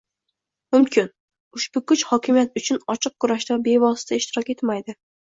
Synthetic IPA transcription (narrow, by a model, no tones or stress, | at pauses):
mʊmkʲʰɪn | ʊʃbʊkʊt͡ʃhɒkʲʰɪmijat̪ʊt͡ʃʰʊnɒt͡ʃʰɨq̚kːʰʊɾaʃd̪abe̞vɒsɪ̥t̪ʰaɪʃt̪ʰɪɾɒkʲe̞t̪majd̪ɪ